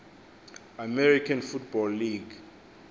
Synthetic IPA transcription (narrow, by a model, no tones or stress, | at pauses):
amɛɾikʰanfut̚bɔlːiɡ